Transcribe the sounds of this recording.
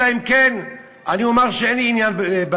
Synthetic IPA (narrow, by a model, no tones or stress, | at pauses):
aimken | ʔaniomaʁʃeenliːnjanbba